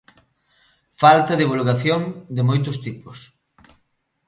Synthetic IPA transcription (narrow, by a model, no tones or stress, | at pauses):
falt̪ɐðiβulɣaθjoŋd̪ɪmojt̪̬ʊst̪ipʊs